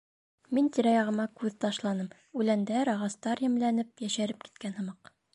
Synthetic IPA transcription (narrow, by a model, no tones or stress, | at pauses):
mint̪iɾɑjɑʁɤ̆mɑkʉðt̪ɑʃlˠɑnɤm | ʉlænd̪æɾɑʁɑst̪ɑɾjɘ̆mlænɘp̚jæʃæɾɘp̚ki̥t̪̚kænhɤ̆mɑq